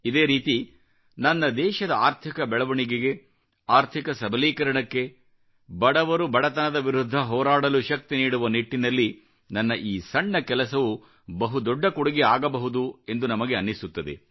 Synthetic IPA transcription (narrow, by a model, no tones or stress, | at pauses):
id̪e̞ːɾiːt̪i | nɐnːɐd̪ɛːʃɐd̪ɐaːɾt̪ʰikɐbɛɭɐʋɐɳiɡeɡe̞ | aːɾt̪ʰikɐsɐbʱɐliːkɐɾɐɳɐkːe̞ | bɐɽɐʋɐɾubɐɽɐt̪ɐnɐd̪ɐʋiɾud̪ʱːɐɦɔːɾaːɽɐluʃɐk̚t̪iniːɽuʋɐniʈːinɐlːi | nɐnːɐʔiːsɐɳːɐkɛlɐs̬ɐʋu | bɐɦud̪ɔɖːɐkuɽɐɡiaːɡɐbɐɦud̪ue̞nd̪unɐmɐɡeɐnːisut̪ːɐd̪e̞̰